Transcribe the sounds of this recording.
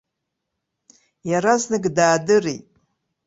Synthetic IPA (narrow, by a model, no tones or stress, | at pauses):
jaɾaznɨɡdaːdɨritʼ